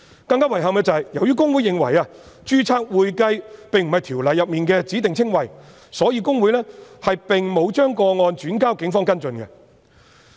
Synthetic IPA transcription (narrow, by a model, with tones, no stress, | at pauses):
kɐ˧ŋkaː˥wɐ˨˩jɦɐ˨mkɛː˧t͡sɐ˨jjɐ˨˩wjyː˥kʊ˥ŋwu˨˥jːɪ˨ŋwɐ̰˨˩jaː˧ | t͡ʃyː˥t͡sʰaː˧k̚wuː˨jkɐ˧jpe˨ŋm̩˨˩hɐ˨jt̪ʰiː˨˩wlɐ˨jːɐ˨p̚miː˨nkɛː˧t͡siː˨˥t̪ɪ˨ŋt͡sʰɪ˥ŋwɐ˨˩j | sɔː˨˥jiː˨˧kʊ˥ŋwuː˨˥jlɛː˥hɐ˨jpɪ˨ŋmo˨˧wt͡ʃœː˥ŋkɔː˧ŋɔː˧nt͡ʃyː˨˥nkaː˥wkɪ˨˥ŋfɔː˥ŋkɐ˥nt͡sɵ˧nkɛ̰˧